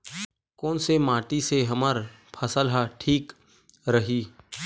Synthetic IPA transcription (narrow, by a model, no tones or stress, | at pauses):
kɔːnsemaːʈiseɦɐməɾ | pʰəsəlɦaʈʰiːk | ɾəɦiː